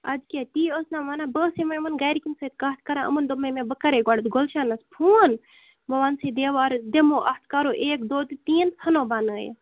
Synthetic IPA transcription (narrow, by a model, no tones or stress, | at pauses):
ɐd͡ʒket̪iːosnãːmanabəːsemɐmɐnɡajɾikinsət̪̚kɐt̪̚ʰkɐɾãːʔə̰mənd̪omːemẽbəkɐɾeɡaɽt̪ɡolʃanɐspʰuːn | bɐʋansed̪eːʋaːɾd̪emoːʔɐst̪ʰkaɾoʔeːkd̪oːt̪t̪iːnt̪ʰɐnoːbaːnəːj̰